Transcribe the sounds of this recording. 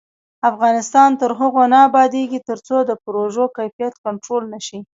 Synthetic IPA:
afɣɑnɪst̪ɑnt̪əɾɦʊɣonaːbɑd̪eɡit̪əɾt͡sod̪əpɾoʒokajfijat̪kaɳʈɾolnaʃi

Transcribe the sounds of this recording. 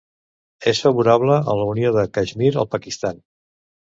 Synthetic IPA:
esfəβuɾaβləə̰nləunioðəkaʒmiɾə̰lˠpəkist̪an

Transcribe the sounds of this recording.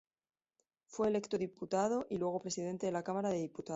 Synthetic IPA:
fwe̞ːle̞kt̪oðiput̪að̞o̞ʔilwe̞ɣ̞o̞pɾe̞siðe̞nt̪e̞ðe̞lakamaɾaðe̞ðiput̪a

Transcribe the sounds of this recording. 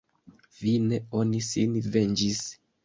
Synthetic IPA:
vineo̞nisinve̞nd͡ʒis

